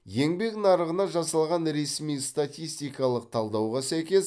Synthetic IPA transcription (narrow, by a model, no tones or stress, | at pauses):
je̞ŋbe̞knɑɾəʁənɑʒɑsɑlˠʁɑnɾe̞smijst̪at̪ʲijst̪ijkɑlˠəq̚t̪ʰɑlˠd̪ɑwʁɑsæjkʲe̞s